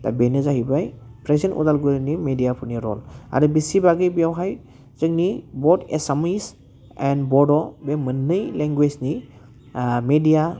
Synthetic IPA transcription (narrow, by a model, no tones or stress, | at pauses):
da̰benɯzaɦibajpʰɾezentṵdalɡuɾinimedijapʰuniɾɔ̰la̰ɾɯbisibaɡɯbijawɦaj | zɯŋnibɔdḛsamis | ɛnbɔdɔbemɯnːɯjleŋɡwezni | medija